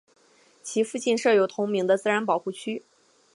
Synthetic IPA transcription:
t͡ɕʰi˧˥fu˥˧t͡ɕi˥˧nʂɤ˥˩jo˧˩ʊt̪ʰʊ˧˥ŋmi˧˥ŋd̪ə˧t͡sɹ̩˥ɻa˧˥npɑ˨˩ʊxu˥˩t͡ɕʰy˥

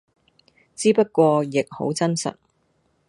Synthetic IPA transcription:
t͡siː˥pɐ˥t̚kʷɔː˧jɪ˨k̚ho̰˨˥wt͡sɐ˥nsɐ̰˨t̚

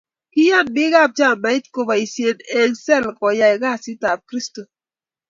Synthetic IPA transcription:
ki˦ja˦˨nbɪ˦ɡa˦˨p̚d͡ʒa˦˨mɛ˨˦jtko˨ba˨i˨se˨ne˨ŋsɛ˦˨lkɔ˨ja˨ɛ˨ɡa˦˨si˦ta˨p̚kɾi˦sto˨

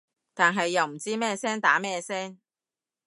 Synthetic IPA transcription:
t̪aː˨nɦɐ˨jːɐ˨wm̩˨˩t͡siː˥mɛː˥sɛː˥ŋt̪aː˨˥mɛː˥sɛː˥ŋ

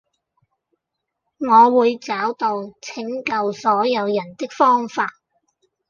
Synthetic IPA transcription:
ŋɔː˨˧wuː˨˧jt͡saː˨˥wt̪o˧wt͡sʰɪ˨˥ŋkɐ˧wsɔː˨˥jɐ˨˧wjɐ˨˩nt̪ɪ˥k̚fɔː˥ŋfaː˧t̚

